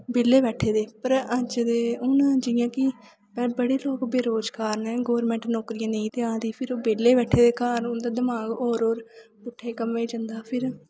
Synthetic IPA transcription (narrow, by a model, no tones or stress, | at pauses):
beːlːeːbɛːʈʰeːd̪eːpəɾəd͡ʒd̪eːʊnãːd͡ʒɪjãːkɪ | pɛbəɽeːloːkbeːɾoːd͡ʒkaːɾnɛːɡoːɾmɛ̃ːɳʈnɔːkɾijãːnəĩːt̪eːãːd̪iːpʰɪɾoːbeːleːbɛːʈʰːeːd̪eːkaːɾʊnd̪aːd̪əmaːɡoːɾoːɾ | bʊʈʰːeːkəmeːd͡ʒə̃nd̪aːpʰɪɾ